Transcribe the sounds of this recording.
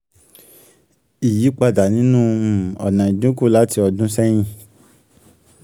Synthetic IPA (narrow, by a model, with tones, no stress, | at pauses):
i˨ji˨˦k͡pa˧da˨nĩ˨˦nũ˦˨ɔ̰˨nã˨ĩ˨dũ˦ku˦˨la˦ti˧ɔ˧dũ˦sɛ˦j̃ĩ˧